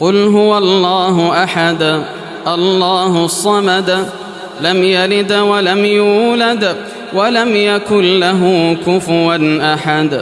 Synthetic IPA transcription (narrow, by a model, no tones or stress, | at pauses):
qʊlɦʊwalˤːɑːɦʊʔaħad̪ | ʔɑlːɑːɦʊsˤːɑmɑd̪ | lamjalɪd̪walamjuːlad̪ | walamjakʊnlaɦʊkʊfʊɾanʔaħad̪